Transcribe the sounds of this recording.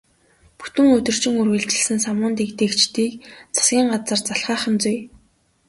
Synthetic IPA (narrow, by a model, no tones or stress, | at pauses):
pu̥t̪ɘ̆ŋɵt̪ɵ̆r̥t͡ɕɪ̆ŋurɣɘ̆ɮt͡ɕɘ̆ɮsɘ̆nsamʊːnt̪ekt̪eːkt͡ɕt̪iːkt͡sʰḁsɡʲiːɴɢat͡sə̆rt͡saɬχaːχə̆nt͡suj